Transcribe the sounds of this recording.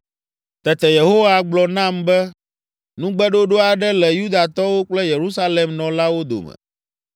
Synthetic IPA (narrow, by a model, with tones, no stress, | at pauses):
t̪ɛ˨t̪ɛ˨je˨ɦo˦wa˦ɡ͡blɔ˨nã˦mbɛ˦ | nũ˦ɡ͡bɛ˦ɖo˦ɖo˦a˨ɖɛ˦lɛ˨ju˦d̪a˨t̪ɔ˦wo˦k͡plɛ˦je˨ɾu˦sa˦le˨mnɔ̃˨la˦wo˦d̪o̰˨mɛ̰̃˨